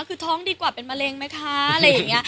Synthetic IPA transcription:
kʰɯː˧t̪ʰɔː˦˥ŋdiː˧kwaː˨˩pe˧nma˧le˧ŋma˦˥jkʰa˦˥a˨˩ɾa˧ja˨˩ŋːi˦˥ɐ

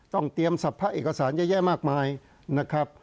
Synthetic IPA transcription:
t̪ɔ˥˩ŋt̪i˧əmsa˨˩pʰːa˦˥ʔeː˨˩kːa˧saː˩˦njaː˥˩jɛː˥˩maː˥˩k̚maː˧j | na˦˥kʰɾa˦˥p̚

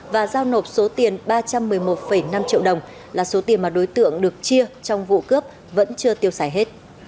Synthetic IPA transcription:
vaː˨˩zaː˧wno˨˩p̚so˨˦t̪i˨˩ənɓaː˧t͡ɕa˧mːɨ˨˩əjmo˨˩t̚fə˧˩jna˧mt͡ɕḭ˧˨əwɗə˨˩wŋ͡m | laː˨˩so˨˦t̪i˨˩ənmaː˨˩ɗo˨˦jt̪ɨ̰˧˨əŋɗɨ˨˩ək̚t͡ɕi˧ət͡ɕɔ˧wŋ͡mvṵ˧˨kɨ˦˥əp̚ | və̰˧˥nt͡ɕɨ˧ət̪i˧əwsaː˧˩jɦe˦˥t̚

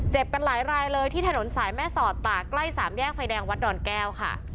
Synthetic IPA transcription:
t͡ɕe˨˩p̚ka˧nlaː˩˦jɾaː˧jlɤː˧jt̪ʰiː˥˩t̪ʰa˧no˩˦nsaː˩˦jmɛː˥˩sɔː˨˩t̪ːaː˨˩kla˥˩jsaː˩˦mjɛː˥˩k̚fʰa˧jdɛː˧ŋwa˦˥t̪̚dɔː˧nkɛː˥˩wkʰa̰˥˩

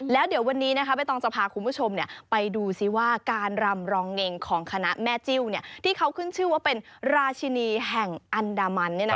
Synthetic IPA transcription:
lɛː˦˥wdi˨˩˦wa˧nːiː˦˥na˦kʰa˦˥pa˧˨jt̪ɔː˧ŋsa˧pʰaː˧kʰu˧nbuː˦˥˩t͡ɕʰo˧mni˥˩ɐpa˧jduː˧si˧˦˩waː˥˩kaː˧nɾa˧mɾɔː˧ŋːe˧ŋkʰɔː˩˦ŋkʰa˧na˦˥mɛː˦˥˩t͡ɕi˥˩wni˥˩ɐt̪ʰiː˥˩kʰa˦˥wkʰɯ˥˩nt͡ɕʰɯː˥˩waː˥˩pe˧nɾaː˧t͡ɕʰi˧niː˧ɦɛ˨˩ŋʔa˧ndaː˧ma˧nːi˥˩n˦

